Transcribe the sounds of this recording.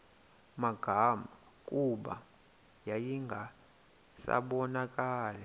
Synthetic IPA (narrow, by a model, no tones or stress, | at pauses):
maɡ̥ʱama | kʼuɓa̰ | jajiŋɡʱa | sa̰ɓɔnakʼaːlɛ